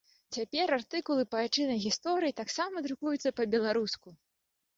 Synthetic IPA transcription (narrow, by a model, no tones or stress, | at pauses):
t͡sʲapʲɛɾart̪ɨkulˠɨpɐat͡ʂɨnɐjɣʲist̪ɔɾɨjit̪aksamɐd̪ɾukujut̪sːɐpɐbʲɛlˠaɾusku